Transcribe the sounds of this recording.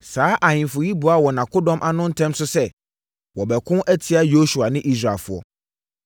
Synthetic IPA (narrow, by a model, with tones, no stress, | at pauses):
saː˨˦ʔa˨hɪ̃˨fʊ˨ji˦bu˨a˦wɔ˨nã˨kʊ˦dɔ̃˦mʔa˨nʊ̃˦n̩˦tʰɛ̃˦msʊ˦sɛ˦ | wɔ˨bɛ˨kʰʊ̃˦ʔɛ˦tʰɪ˦a˦jo˦su˨a˨nɪ̃˦ʔi˦s̬ɾa˨lfʊ˨˦ɔ̰˦